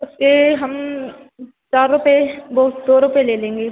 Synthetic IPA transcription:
ʊskeɦɐm | t͡ʃaːɾːʊpebɐɦʊt̪d̪oːɾʊpeleːlẽːŋɡeː

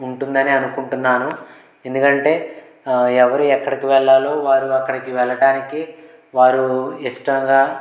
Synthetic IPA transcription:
uɳʈund̪ɐniɐnukuɳʈunːaːnu | e̞nd̪ukɐɳʈe̞ː | ɛʋɐɾuɛkːɐɽikiʋɛɭːaːlo̞ːʋaːɾuɐkːɐɽikiʋɛɭɐɽaːniki | ʋaːɾuiʂʈɐŋɡaː

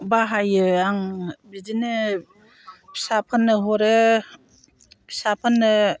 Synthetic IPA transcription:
baɦajɯaŋbidinɯ | pʰsapʰanːɯɦɔɾe | sapʰanːɯ

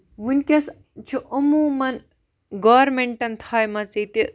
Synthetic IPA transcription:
ʋunʲkʲɐs | t͡ʃʰuʔomuːmɐn | ɡoːɾmeɳʈɐnt̪ʰaːjmɐt͡sit̪i

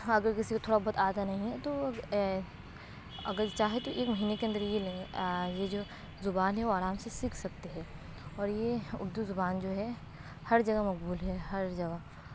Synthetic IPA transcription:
ɐɡəɾkɪsikot̪ʰoːɽabɔɦːt̪aːd̪anɐɦĩɦɛt̪o | ɐ̰ɡəɾt͡ʃaːɦet̪oʔeːkmɐɦiːnekeɐ̃nd̪əɾjelẽjed͡ʒoː | zʊbaːnɦɛʋoaːɾaːmsesikʰsɐk̚t̪eɦɛ̃ː | ɔːɾjeʊ̰ɾd̪uzʊbaːnd͡ʒoːɦɛ | hɐɾd͡ʒɐɡamɐk̚buːlɦɛɦɐɾd͡ʒɐɡa

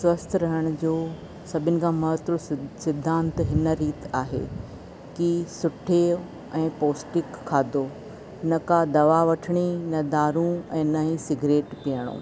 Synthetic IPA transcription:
sʋɐst̪ʰɾɐɦəɽ̃ʊd͡ʑoː | sɐbʱɪnɪ̆kʰãːmɐɦət̪ɾosɪd̪ʱːãːnt̪ɦɪnəɾiːt̪aːɦḛː | kisʊʈʰeːo | ɛ̃ːpoːsʈɪkʰːaːd̪oː | nɐkad̪ɐʋaʋɐʈʰəɽ̃inɐd̪aːɾũɛ̃ːnɐɦĩsɪɡɾeːʈpijəɽ̃õ̰ː

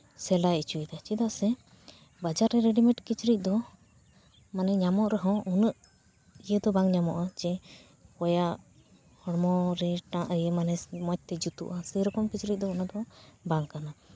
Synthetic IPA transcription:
sɛlajit͡ʃuid̪at͡ʃid̪aʔsɛ | bad͡ʒaɾːɛɾɛɖimɛʈkit͡ʃɾic̚ˀd̪ɔ | manɛɲamɔʔɾɛɦɔ̃unəʔ | ijəd̪ɔbaŋɲamɔʔad͡ʒɛ | kɔjaʔ | hɔɽmɔɾɛʈãʔəjəmanɛmɔc̚t̪ɛd͡ʒut̪ṵʔasəɾɔkɔmkit͡ʃɾic̚ˀd̪ɔunad̪ɔbaŋkana

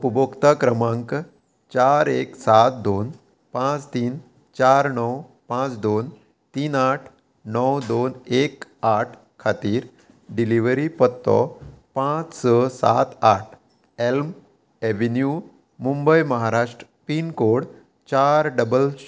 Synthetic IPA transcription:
upəbokt̪akɾəmãŋk | t͡ɕaɾeksat̪̚d̪on | pãt͡st̪iːn | t͡ɕaɾnəw | pãt͡sd̪on | t̪iːnaʈʰ | nəwd̪onekaʈʰ | kʰːat̪iːɾ | ɖiliʋɾipət̪ːɔ̰pãt͡ssəsa̰t̪aʈʰ | elm | eʋinju | mumbəjməɦaɾaʂʈɾəpiːnkoɽ | t͡ɕaɾɖəbəl

